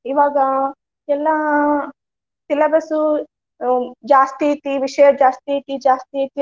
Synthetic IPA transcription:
ɪʋaːɡa | t͡ʃelːãː | t͡ʃɪlabəsu | d͡ʒaːst̪iːt̪iːʋɪʃeːd͡ʒaːst̪it̪id͡ʒaːst̪it̪i

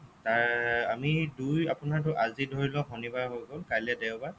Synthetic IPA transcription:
taɹamidujapʊnaɹt̬ʊʔazidʱoɹilɔɦɔnibaɦojɡolkajlɛdɛʊba

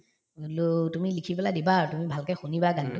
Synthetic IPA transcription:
lutumilikʰipɛladibatumibʱalkɛxunibaɡantʊ

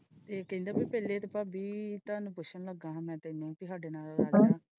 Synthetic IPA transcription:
t̪eːkəɦĩnd̪aːbiːpɛːleːt̪eːpaːbiːt̪aːnupʊʃənləɡãːɦãːmɛ̃ːt̪eːnũːpiːɦaːɖeːnaːlɾaːlːãː

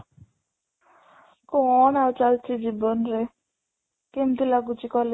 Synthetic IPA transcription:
koɔnawt͡ʃalt͡ʃʰid͡ʒibonɾe | kemd̪ilaɡut͡ʃikɔle

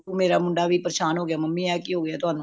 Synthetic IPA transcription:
umeːɾaːmʊɳɖaːʋʱiːpəɾʃaːnɦoːɡɪjaːməmːiːɛːkiːɦoːɡəjaːt̪ʊɦaːnũ

